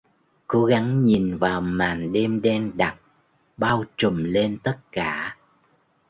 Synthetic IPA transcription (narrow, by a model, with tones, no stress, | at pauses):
ko˨˦ɣa˨˦ŋɲi˨˩nvaː˨˩wmaː˨˩nɗe˧mɗɛ˧nɗa˨˩t̚ | ɓaː˧wt͡ɕə˨˩mle˧nt̪ə˦˥t̚kaː˧˩